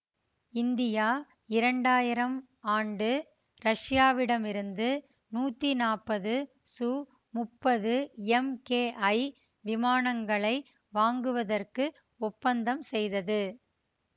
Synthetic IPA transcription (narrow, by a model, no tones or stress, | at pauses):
ɪnd̪ɪjaː | ɪɾɐɳɖaːjɪɾɐm | aːɳɖɯ | ɾɐʂɪjaːʋɪɽɐmɪɾɯnd̪ɯ | nuːt̪ːinaːpːɐðɯ | suː | mʊpːɐðɯɛmkeːʔɐɪ | ʋɪmaːnɐŋɡɐɭɐɪ | ʋaːŋɡɯʋɐðɐrkɯ | ɔpːɐnd̪ɐmsɛjðɐðɯ